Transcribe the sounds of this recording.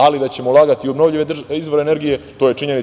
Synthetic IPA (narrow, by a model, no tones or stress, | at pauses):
alid̪at͡ɕe̞molˠaːɡat̪iobno̞vʎiʋed̪izʋo̞ɾene̞ɾɡijet̪o̞ːje̞t͡ʂiɲe̞ni